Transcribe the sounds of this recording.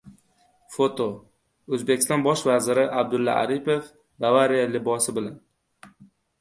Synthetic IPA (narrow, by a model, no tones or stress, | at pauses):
fot̪ʰo | ɵzbe̞kʲɪ̥st̪ɒnbɒʃvazɪɾɪʔab̚d̪ʊlːa̰a̰ɾipef | bavaɾijalɪbɒsɪbɪlan